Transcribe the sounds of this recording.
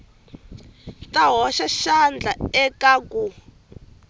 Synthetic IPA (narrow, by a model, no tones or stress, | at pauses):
tʼaɦɔʃaʃand͡ɮʱaɛkʼakʼu